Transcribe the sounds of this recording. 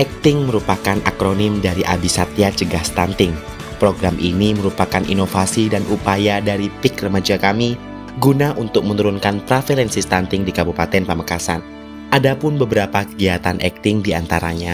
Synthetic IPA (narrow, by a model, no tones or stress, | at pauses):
ʔɛk̚t̪ɪŋməɾupakanʔa̰kɾonɪmdaɾiʔabisat̪iat͡ʃəɡahst̪ant̪ɪŋ | pɾoɡɾamʔḭniməɾupakanʔḭnofasidanʔupajadaɾipɪkrəmad͡ʒakami | ɡunaʔunt̪ʊk̚mənuɾʊnkanpɾafelɛnsist̪ant̪ɪŋdikabupat̪ɛnpəməkasa̰n | ʔadapʊnbəbəɾapakəɡiat̪anʔɛ̰k̚t̪ɪŋdiant̪aɾa̰ɲa